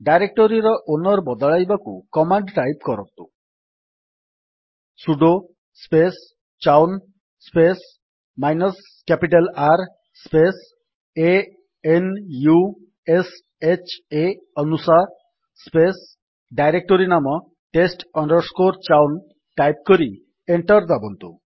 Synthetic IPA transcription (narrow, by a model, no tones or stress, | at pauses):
ɖajɾek̚ʈoɾiɾɔʔonɔɾbɔd̪ɔɭajbakṵkɔmaɳɖʈajpkɔɾɔ̰t̪ṵ | suɖo | spes | t͡ʃawn | spes | majnɔs | kapiʈalaɾ | spes | e | enju | es | et͡ʃe | ɔnusaɾ | spes | ɖajɾek̚ʈoɾinamɔ | ʈesʈɔɳɖɔɾskoɾt͡ʃawn | ʈajp̚kɔɾi | eɳʈɔɾd̪abɔnt̪ṵ